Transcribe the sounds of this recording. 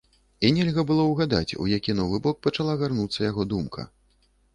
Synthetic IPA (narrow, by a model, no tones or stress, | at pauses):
inʲɛlʲɣɐbɨlˠɔwɣad̪a̰t͡sʲṵjakʲinɔvɨbɔk̚pɐt͡ʂalˠaɣarnut̪sːɐjaɣɔd̪umkʰɐ̰